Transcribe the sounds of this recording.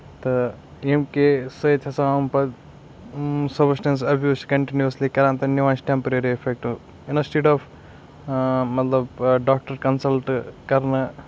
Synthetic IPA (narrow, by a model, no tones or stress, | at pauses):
t̪ɨ | emkesət̪ʰɐsãːmpɐ | sɐbsʈẽːns̬ɐbjuːskɐɳʈinjuuslikɐɾãːnt̪ɐniʋãːnsʈempɐɾeɾiefʰek̚ʈ | ɪnɐsʈeːɖɔːf | mɐt̪lɐbɖaːk̚ʈɐɾkɐnsɐlʈkɐɾnɐ